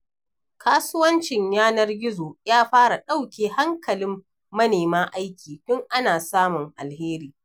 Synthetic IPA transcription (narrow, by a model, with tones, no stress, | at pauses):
kʰaː˦sʊ˦wɐ˦nt͡ʃɪ˨ɲjaː˦nɐ˦rɡʲɪ˦zoː˨jaː˦ɸaː˦ɾa˨ɗa˦wkʲeː˨ha˦ŋkɐ˨lɪ˦mː | ɐ˦neː˨maː˦ʔa˦jkʲʰiː˨ɸʊ˦ŋʔa˦naː˨saː˦mʊ˨ŋʔa̰˨lheː˦ɾiː˨